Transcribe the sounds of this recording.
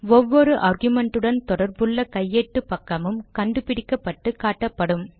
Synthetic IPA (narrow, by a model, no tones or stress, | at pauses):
ɔʋːɔɾɯʔaɾɣɯmɛɳʈɯɽɐnt̪ɔɽɐɾbɯɭːɐkɐjːeːʈːɯpːɐkːɐmɯmkɐɳɖɯpɪɽɪkːɐpːɐʈːɯkaːʈːɐpːɐɽɯm